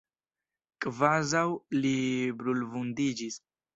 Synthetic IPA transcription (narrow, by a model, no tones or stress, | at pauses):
kʼvazawlibɾulvundid͡ʒis